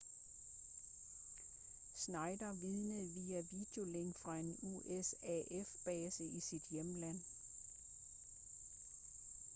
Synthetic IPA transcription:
snɑ̈ɪd̥ɐʋið̞ˠnəð̩ˠʋiːæʋid̥eo̝leŋ̰fʁɑ̈e̝nṵʔesɛʔefb̥ɛːsəʔisid̥jemlæn̰

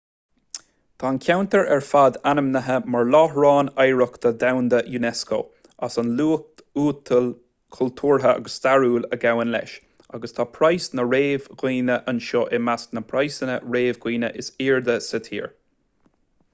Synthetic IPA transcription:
t̪ʰaːnkʰʲawnt̪əɹɛɹfad̪anəmnəɦəmaɹlɔːhɹɑːnajɹəkt̪əd̪awnd̪əjunɛsko̰ː | asənluːkt | uːt̪ʰəl | kʰʊlt̪ʰuːɹɦəa̰ɡəst̪aɹuːləɡawənlɛ̰ʃ | aɡəst̪ʰaːpʰɾajsnəɹeːvɡwiːnəʔənʃoʔɛmasknəpʰɹajsənəɹeːvɡwiːnə̰ʔɪsiːɹd̪əsət̪ʰḭːɹ

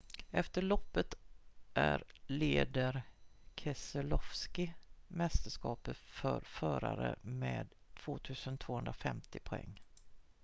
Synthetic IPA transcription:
ɛft̪əɭɔpːət̪ʔæɾleːd̪əɾkʰɛsəlɔfskɪmɛst̪əʂkɑːpəfœɾfœːɾa̰ɾəmeːd̪ | t̪ʰv̥oːt̪ʰʉ̟ːsənt̪ʰv̥oːhɵnd̪ɾafɛmt̪ɪpʰʊɛ̰ŋː

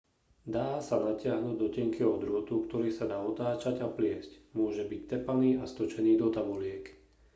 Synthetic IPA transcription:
d̪aːsanacɪaɦnuːɟd̪ɔcɛŋkiɔd̪ɾʊɔt̪ukt̪ɔɾiːsad̪aːɔt̪aːt͡ʃaɟaplɪɛscmʊɔʒɛbict̪ɛpaniːast̪ɔt͡ʃɛniːd̪ɔt̪abulɪɛk

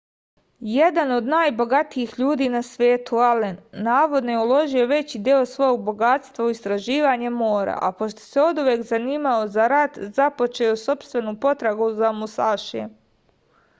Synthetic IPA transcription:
jed̪ano̞d̪naːjbo̞ɡat̪ijixʎuːd̪iːnasʋe̞ːt̪ualenːaːʋo̞d̪no̞jeulˠo̞ʒio̞ʋe̞t͡ɕid̪jeo̞sʋo̞joɡ̚bo̞ɡat̪st̪ʋauist̪ɾaʒiːʋaɲe̞mo̞ːɾa̰ʔapo̞ʃt̪o̥se̞o̞d̪uʋjeːkzaniːmao̞zaɾat̪zapo̞t͡ʃeoso̞pst̪ʋe̞nupo̞t̪ɾaɡuzamusaːʃie

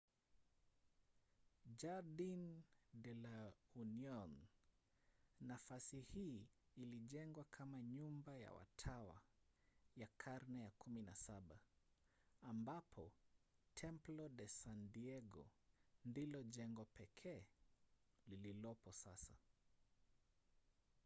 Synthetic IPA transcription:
d͡ʒaɾdindɛlauniɔn | nafasihiːliʄɛŋɡwakʰamaɲumbaja̰wa̰tʰawa̰ | jakʰaɾnɛjakuminasaɓaː | mbapʰɔtʰɛmplɔɗɛsandiɛɡɔ̰ndilɔʄɛŋɡɔpɛkʰɛː | lililɔpɔsasa

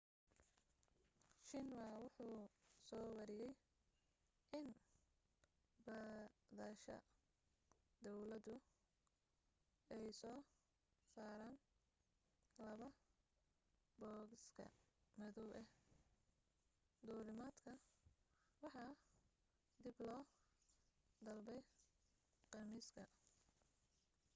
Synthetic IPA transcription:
ʃɪnwawʊħuːsɔːwɑɾɪjɛj | ʔɪn | bɐːðɐʃɐ̰ | d̪ɔwlɐd̪ʊ | ɛjsɔː | saːɾaːn | lɐβɐ | bɔːɡɪskʰɐ̰mɪðɔwɛ | d̪uːɾɪmaːd̪kʰɐ | wɑħɑː | d̪ɪblɔː | d̪ɐlbɛj | qɑrmiːskʰɐ

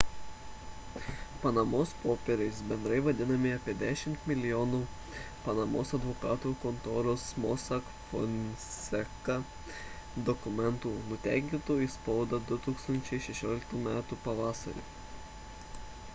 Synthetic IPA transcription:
pɐnɐmoːspoːpʲɛɾʲɛɪsbʲɛnd̪ɾɐɪʋɐd̪ʲɪnɐmʲɪɐpʲiɛd̪ʲæːʃʲɪmt̪mʲɪlʲɪjoːnuː | pɐnɐmoːsɐd̪ʋɔkɑːt̪ukɔnt̪oːɾoːsmɔːsɐk | fɔ̰nʲsʲɛkɐ | d̪ɔkʊmʲɛnt̪uːnʊt̪ʲæ̰ˑɪkʲɪnt̪oːispɐʊd̪ɐd̪ʊt̪uːkst̪ɐnʲt͡ʃʲɛɪʃʲɛʃʲoːlʲɪkt̪uːmʲæːt̪uːpɐʋɑːsɐ̰ɾʲḛː

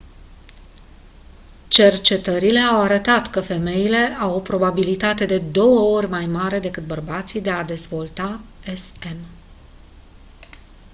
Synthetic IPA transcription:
t͡ʃe̞rt͡ʃe̞t̪əɾile̞awaɾət̪at̪kəfe̞me̞jile̞ʔawo̞pɾo̞babilit̪at̪e̞d̪e̞d̪o̞wəo̞rʲmajmaɾe̞d̪e̞kɨt̪̚bərbat̪sid̪e̞ad̪e̞zvo̞lt̪aese̞m

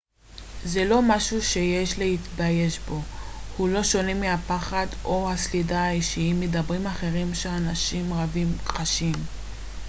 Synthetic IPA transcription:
zelo̞maʃuʃe̞jeʃlehit̪baje̞ʃbo̞hulo̞ʃo̞nemihapaχado̞haslidaaiʃiimedabʁimaχe̞ʁimʃeanaʃimʁavimqaʃim

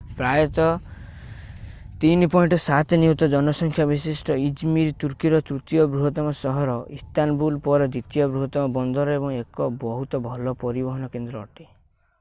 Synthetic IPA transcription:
pɾajɔt̪ɔ | t̪inpɔiɳʈɔsat̪niut̪ɔd͡ʒɔnɔsɔŋkʰjabisisʈɔid͡ʒmiɾt̪uɾkiɾɔt̪ɾut̪ijɔbɾuɦɔt̪ɔmɔsɔɦɔɾɔist̪anbulpɔɾɔd̪it̪ijɔbɾuɦɔt̪ɔmɔbɔnd̪ʱɔɾɔebɔŋekɔbɔɦut̪ɔbʱɔlɔpɔɾibɔɦɔnɔkend̪ɾɔ̰ːʈi

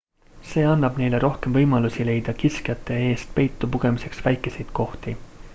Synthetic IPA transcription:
se̞ːɑnːɑb̥ne̞jle̞ɾo̞hke̞mvɤjmɑlusile̞jd̪̥ɑkiskjɑt̪ːˑe̞e̞ːst̪̚pe̞jt̪ˑːupuɡ̥e̞mise̞ksvæjkːˑe̞se̞jd̪̥ko̞ht̪i

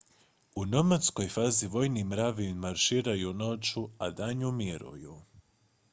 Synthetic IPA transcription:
unomat̪sko̞jfaːziʋo̞jnimɾaʋimaɾʃiːɾajuno̞t͡ʃuad̪aɲumiɾṵju

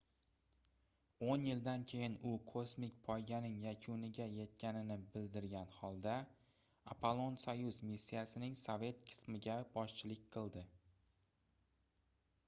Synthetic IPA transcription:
onjɪld̪ankʲʰe̞jɪnʊkʰosmɪkʲpʰɒjɡʲanɪŋjakʲʰʊnɪɡʲaje̞t̪kʲʰanɪnɪbɪld̪ɪɾɡʲanhɒlˠd̪a | apʰolˠo̞nsajʊzmisːijasɪnɪŋsovʲe̞t̪kʲʰɪ̥smɪɡʲabɒʃt͡ʃʰɪlɪk̚ʲqʰɨlˠd̪ɪ

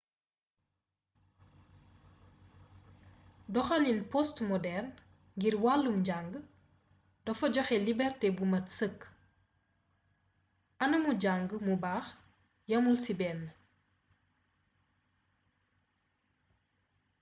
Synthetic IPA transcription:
dɔxɐlinpɔstmɔdɛrn | ŋɡirwalːumɟaŋɡə | dɔfɔɟɔxɛlibɛrtɛbumɐtsəkː | ʔɐnɐmuɟaŋɡəmubaːx | jɐmulsibɛnː

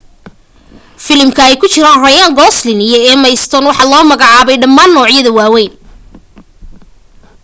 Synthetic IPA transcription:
fɪlɪmkʰɐɛjkʰʊt͡ʃɪɾaːnrɐjaːŋɡɔːslɪnɪjɐɛːmɐjst̪ʰɔnwɑħɑlɔːmɐɣɑʕɑːβɛjɖɐmːaːnːɔːʕjɐðɐwaːwɛjn

